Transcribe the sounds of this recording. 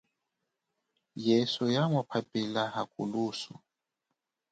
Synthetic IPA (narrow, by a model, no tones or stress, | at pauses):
jɛsujamɔpʰapʼilahakʼṵluːsu